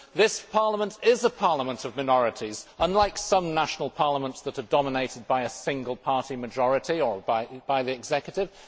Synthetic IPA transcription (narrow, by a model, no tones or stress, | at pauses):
ðɪspʰɑɹləmə̃ntɪzəpʰɑɹlˠəmə̃ntʌvmaɪnɔɹɨtʰizə̃nlaɪksʌ̃mnaʃənl̩ˠpʰɑɹləmə̃ntsðəɾə˞dɑməneɪɾɨd̚baɪɨsɪ̃ŋɡəlˠpʰɑɹtimɨd͡ʒɔɹɨtiə˞baɪb̥aɪðiɨɡz̥ɛkjəɾɪv̥